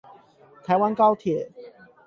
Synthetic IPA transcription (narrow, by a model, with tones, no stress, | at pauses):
t̪ʰa˨˦ɪwa˦nkɑ˦ʊt̪ʰjɛ˨˩˦